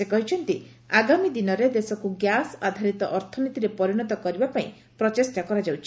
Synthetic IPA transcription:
sekɔɦit͡ʃʰɔnt̪i | aɡamid̪inɔɾed̪esɔkuɡjasad̪ʱaɾit̪ɔʔɔɾt̪ʰɔnit̪iɾepɔɾiɽ̃ɔt̪ɔkɔɾibapaĩ | pɾɔt͡ʃesʈakɔɾad͡ʒawt͡ʃʰi

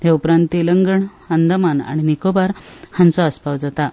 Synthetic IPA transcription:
t̪eupɾant̪iləŋɡəɳhənd̪əmana̰ɽ̃inikobaɾhãnt͡sɔəspawd͡zat̪a

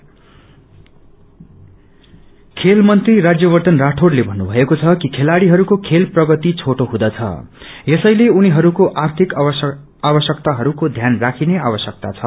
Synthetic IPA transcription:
kʰelmʌnt̪rirad͡zjʌβʌrt̪ʌnraʈʰorlebʱʌnːubʱʌekot͡sʰʌkikʰelaɽiɦʌɾukokʰelprʌɡʌt̪it͡sʰoʈoɦũd̪ʌt͡sʰʌ̰jesʌjleuniɦʌɾukoʔart̪ʰik | abʌsjʌkt̪aɦʌɾukod̪ʱjanrakʰinea̰βʌsjʌk̚t̪a̰t͡sʰʌ

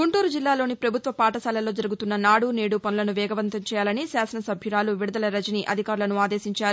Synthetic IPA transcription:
ɡuɳʈuːɾud͡ʒilːaːlo̞ːnipɾɐbʱut̪ʋɐpaːʈɐsɐːlɐlo̞ːd͡ʒɐɾuɡut̪unːɐnaːɽuneːɽupɐnulɐnuʋɛːɡɐʋɐnt̪ɐmt͡ʃɛːjaːlɐnisaːsɐnɐsɐbʱjuɾaːluʋiɽɐd̪ɐlɐɾɐd͡ʒiniʔɐd̪ʱikaːɾulɐnuaːd̪eːsiɲt͡ʃaːɾu

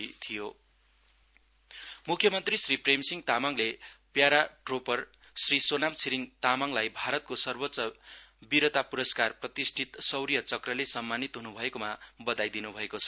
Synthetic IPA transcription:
t̪ʰijo | mukʰjʌmʌnt̪risripremsiŋt̪amaŋlepjaɾaʈropʌr | srisonamt͡sʰiɾiŋt̪amaŋlajbʱaɾʌt̪̚kosʌrbotːsʌbiɾʌt̪apuɾʌskarprʌt̪isʈʰit̪sʌwɾijʌt͡sʌkrʌlesʌmːanit̪ɦunubʱʌekomabʌd̪ajd̪inubʱʌekot͡sʰʌ

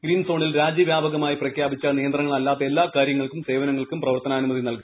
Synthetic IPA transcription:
ɡɾiːnsoːɳilɾaːd͡ʑjɐʋjaːbɐɣɐmaːjiprɐkʰjaːbit͡ɕːɐnijɐnd̪rɐŋːɐɭɐlːaːt̪ːe̞lːaːkaːɾjɐŋːɐɭkumse̞ːʋɐnɐŋːɐɭkumprɐʋɐrt̪ɐnaːnumɐðinɐlku

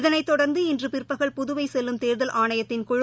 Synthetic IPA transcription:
ðɐnɐɪt̪ːɔɽɐɾnd̪ɯɪndrɯpɪrpɐɣɐɭpʊðʊʋɐɪsɛlːɯmt̪eːɾðɐlʔaːɳɐjɐt̪ːɪnkʊɻ

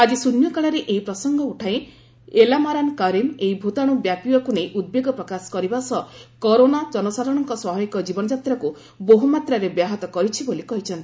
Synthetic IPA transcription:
ad͡ʒisunjɔkaɭaɾeʔeipɾɔsɔŋɡɔuʈʰaj̃ | elamaɾankaɾineibʱut̪aɽ̃ubjapiwɔkunejʔud̪̚beɡɔpɾɔkasɔ̥kɔɾibasɔkɔɾonad͡ʒɔnɔsaɾɔɽ̃ɔŋkɔswɔɦɔjkɔd͡ʒibɔnɔd͡ʒat̪ɾaku | boɦumat̪ɾaɾebjaɦɔt̪ɔkɔɾit͡ʃʰibolikɔɦit͡ʃʰɔnt̪i

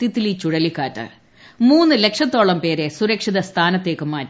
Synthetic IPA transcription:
t̪it̪ːilit͡ɕuɽɐlikːaːtːɨ̰ | muːnːɨle̞kʂɐt̪ːo̞ːɭɐmpe̞ːɾe̞suɾɐkʂiðɐst̪ʰaːnɐt̪ːe̞ːkːɨmaːtː

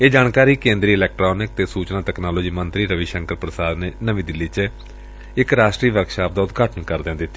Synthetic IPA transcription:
eːd͡ʒaːnkaːɾiːkẽːnd̪ɾiːlɛːk̚ʈɾoːnɪk̚t̪eːsuːt͡ʃnãːt̪ɛːknaːloːd͡ʒiːmənt̪ɾiːɾəʋiːʃə̃ŋkəɾpɾəsaːd̪neːnəʋĩːd̪ɪlːiːt͡ʃ | ɪkɾaːʃʈɾiːʋəkʃaːp̚d̪aːʊt̪ɡʱaːʈənkəɾd̪ẽãːd̪ɪt̪ːi

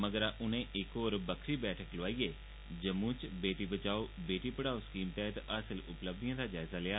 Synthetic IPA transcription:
məɡəɾaːʔʊnẽːʔɪkoːɾbəkʰɾiːbɛːʈʰəkloaːiːeː | d͡ʒəmũːt͡ʃbeːʈiːbət͡ʃaːoːbeːʈiːpəɽaːoskiːmt̪ɛːɦt̪əsəlʊpləb̚d̪ijãːd̪aːd͡ʒaːɪzaːlɪaː

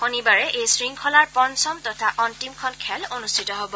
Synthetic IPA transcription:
xonibaɹɛʔejsɹiŋkʰɔlaɹpɔnsɔmtɔtʰaʔɔntimkʰɔnkʰɛlonustʰitɔɦobɔ

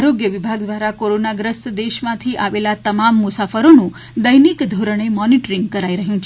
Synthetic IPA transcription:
aɾoɡjəʋibʱaɡd̪ʋaɾakoɾonaɡɾəst̪d̪eʃmãt̪ʰiʔaʋelat̪əmamːʊsafəɾonũ | d̪əjnikd̪ʱoɾəɳ̃emɔniʈɾiŋɡkəɾaiɾəɦjũt͡ʃʰe

